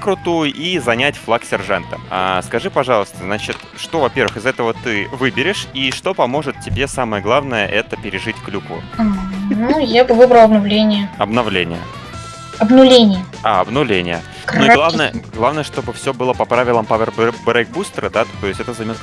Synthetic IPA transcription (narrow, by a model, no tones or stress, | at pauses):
kɾʊt̪ojizɐnʲætʲflˠaksʲɪrʐant̪əa̰skɐʐɨpɐʐɑlˠəst̪əznat͡ɕɪt̪ | ʂt̪o̞vɐpʲervɨxɨzɛt̪əvət̪ɨvɨbʲɪɾʲɪʂiʂt̪o̞pɐmo̞ʐɨt̪̚tʲɪbʲe̞saməjəɡlˠavnəjəʔɛt̪əpʲɪɾʲɪʐɨtʲklʲukvʊ̰ | nujabɨvɨbɾəlˠɐbnɐvlʲenʲɪjəɐbnɐvlʲenʲɪ̰jə̰ | ɐbnʊlʲenʲɪjəaɐbnʊvlʲenʲɪjə | nuɡ̪ˠavnəjəɡlˠavnəjəʂt̪o̞bɨfsʲobɨlˠəpɐpɾavʲɪlˠəmpavʲɛrbbɾɛk̚bust̪əɾəd̪at̪o̞jɪsʲtʲɛt̪əzɐmʲot̪